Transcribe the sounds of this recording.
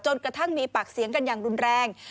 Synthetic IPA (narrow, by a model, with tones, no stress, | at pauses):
t͡ɕo˧nkɾa˧t̪ʰa˥˩ŋmiː˧pa˨˩k̚si˩˦ŋka˧njaː˨˩ŋɾu˧nɾɛː˧ŋ